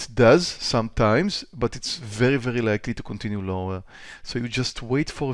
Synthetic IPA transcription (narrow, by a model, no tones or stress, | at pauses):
tdazsãmtʰãɪ̃mzbatɪtsvɛɹivɛɹilajklitukʰɔ̃ntʰĩnjulõŋə˞ | soʊjud͡ʒastʰweɪtfɔɹə